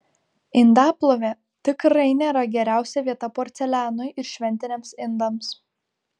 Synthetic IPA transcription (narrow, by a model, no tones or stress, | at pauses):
ɪnd̪ɑːplˠoːʋʲe | t̪ʲɪkɾɐɪnʲeɾɐɡʲɛɾʲæˑʊsʲɛʋʲiɛt̪ɐpoːɾʲt̪sʲɛlʲæːnojɪɾʃʲʋʲɛnʲt̪ʲɪnʲɛmsɪnd̪ɐms